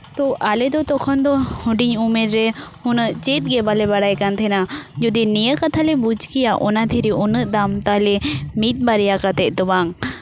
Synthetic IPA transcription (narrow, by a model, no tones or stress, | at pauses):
t̪ɔʔalɛd̪ɔt̪ɔkʰɔnd̪ɔhuɖiɲumɛɾːɛhunəʔt͡ʃet̪̚ˀɡɛbalɛbaɽajkant̪ʰɛnad͡ʒɔd̪inijəkat̪ʰalɛbud͡ʒkijaʔɔnad̪ʰʱiɾiʔunəʔd̪amt̪alɛmit̪̚baɾɛjakat̪ɛʔ̚d̪ɔbaŋ